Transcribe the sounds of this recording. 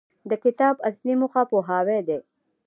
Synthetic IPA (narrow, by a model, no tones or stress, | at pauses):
d̪əkɪt̪ɑːbaslimʊxɑpoɦɑwed̪e